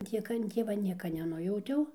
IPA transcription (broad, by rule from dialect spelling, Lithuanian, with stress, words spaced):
ˈtʲiɛk ɐn ˈtʲiɛʋɐ ˈnʲiɛkɐ nʲɛˈnʊjɛʊtʲɛʊ